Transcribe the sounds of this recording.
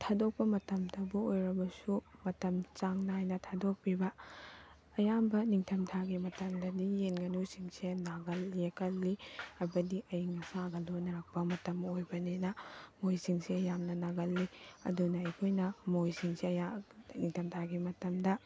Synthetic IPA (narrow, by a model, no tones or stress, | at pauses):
tʰadok̚pɐmɐtɐmdɐbuojɾɐbɐsumɐtɐmt͡ʃaŋnɐɦajnɐtʰadok̚pibɐ | ɐjambɐniŋtʰɐmtʰaɡimɐtɐmdɐdijenɡɐnusiŋsenaɡɐljekɐlːiɐbɐdiʔɐjŋɐsaɡɐlonɐɾak̚pɐmɐtɐmojbɐnenɐmojsiŋsiɐjamnɐnaɡɐlːiɐ̰dunɐɐjkʰojnɐmojsiŋsiɐjaniŋtʰɐmtʰaɡimɐtɐmdɐ